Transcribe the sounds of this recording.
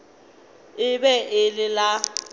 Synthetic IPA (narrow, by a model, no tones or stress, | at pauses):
ɪbɛʔɪlɪla